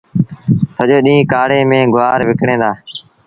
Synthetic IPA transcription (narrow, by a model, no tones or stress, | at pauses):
səʄoːɗĩːkaːɽeːmẽːɡʊʋaːɾʋɪkɽẽːd̪aː